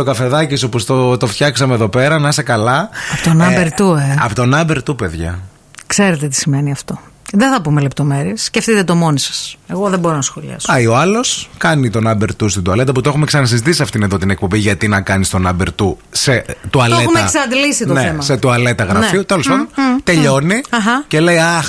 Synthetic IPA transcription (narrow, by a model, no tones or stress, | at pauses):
t̪okɐfe̞ðɐciso̞post̪ot̪o̞ft̪çɐksɐmeðo̞pe̞ɾɐnɐisekɐlɐɐpot̪onɐbeɾt̪ueɐpot̪o̞nɐbeɾt̪upe̞ðʝɐ̰ | kse̞ɾet̪et̪i̥sime̞niɐft̪oðeθɐpumelept̪o̞me̞ɾiessceft̪it̪et̪o̞mo̞nisɐ̥se̞ɣo̞ðeboɾonɐsxoʎɐ̰sɐio̞ɐlo̞skɐnit̪o̞nɐbe̞ɾt̪ust̪id̪uɐle̞t̪ɐput̪o̞xumeksɐnɐsizit̪isisɐft̪ineðo̞t̪inek̚po̞biʝɐt̪inɐkɐnist̪o̞nɐbe̞ɾt̪uset̪uɐleumeɐsɐɐd̪ilisit̪onθeemɐset̪uɐle̞t̪ɐɣɾɐnfiut̪elosaðont̪e̞ʎo̞niɐxɐce̞le̞iɐx